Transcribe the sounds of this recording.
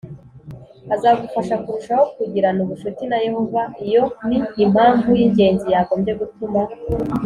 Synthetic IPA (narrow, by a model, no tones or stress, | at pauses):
azaɡufaʃakuɾuʃaho̞kuɟiɾanuβuʃutinaje̞ho̞vaijo̞niːm̥aːɱvujiɲɟe̞ːnzijaːɡo̞ːmje̞ɡutuma